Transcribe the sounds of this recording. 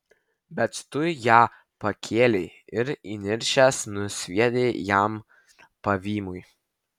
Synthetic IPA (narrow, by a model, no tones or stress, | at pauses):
bʲɛt̪t̪ʊjæː | pɐkʲʰeːlʲeɪɪɾinʲɪɾʲʃʲæsnʊsʲʋʲiɛd̪ʲeːjæˑm | pɐʋʲiːmʊj